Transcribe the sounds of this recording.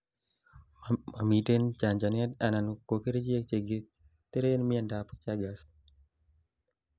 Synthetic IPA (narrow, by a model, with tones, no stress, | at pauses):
ma˨mi˨te˦nt͡ʃa˨ɲd͡ʒa˨nia˦ta˨na˨nko˨ke˦ɾe˦d͡ʒi˦e˦k̚t͡ʃe˨ɡe˦ | t̪e˦ɾe˦nmi˦a˦nda˨pt͡ʃaɡa˨s